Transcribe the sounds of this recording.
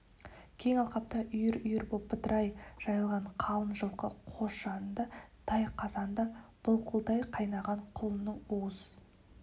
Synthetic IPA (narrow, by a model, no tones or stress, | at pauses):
kʲʰe̞ŋɑlˠqɑp̚t̪ɑʔʏjɪɾʏjɪɾbopːət̪ɾʔɑjʒ̥ɑjəlˠʁɑɴqʰɑlˠənʒəlˠqəqʰosɑnd̪ɑt̪ʰɑjqʰɑzɑnd̪ɑb̥ʊlˠqʰəlˠd̪ɑjqʰɑjnɑʁɑɴqʰʊlˠənəɴoz